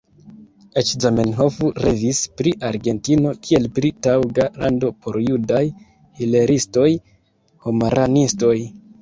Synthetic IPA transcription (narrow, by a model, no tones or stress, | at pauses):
et͡ʃzamenɦo̞fuɾevispɾiʔaɾɡe̞ntino̞kʰie̞lpɾitawɡalando̞pʰo̞ɾjudaj | hile̞ɾisto̞j | homaɾanisto̞j